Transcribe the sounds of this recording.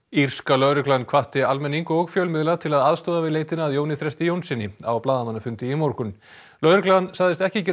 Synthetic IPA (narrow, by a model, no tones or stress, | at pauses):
ir̥skalœɥɾʏklankʰvaht̪ɪalmɛnːiŋkʏɔɣfjœːlmɪðlaðt̪ʰɪlaðaðst̪ɔːðavɪðleːjt̪ɪnaːðjownɪθɾɛst̪ɪjownsɪnːɪa̰wplaːðamanːafʏnt̪ɪimoɾkʏn | lœɥɾʏklansaɣðɪst̪ɛhcɪcɛ